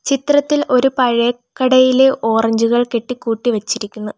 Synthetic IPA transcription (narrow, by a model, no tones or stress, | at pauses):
t͡ɕit̪rɐt̪ːilo̞ɾupɐɻekːɐɽɐjile̞ʔo̞ːrɐɲd͡ʑuɣɐɭke̞ʈːikːuːʈːiʋɐt͡ɕːiɾikʲːunːu